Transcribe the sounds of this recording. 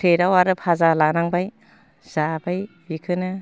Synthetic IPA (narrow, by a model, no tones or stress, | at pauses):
ejɾawaɾɯpʰazalanaŋbaj | z̥abaj | bikʰɯnɯ